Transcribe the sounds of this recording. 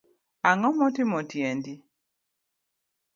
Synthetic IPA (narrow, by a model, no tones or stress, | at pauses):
aŋɔmɔtɪmɔtjendi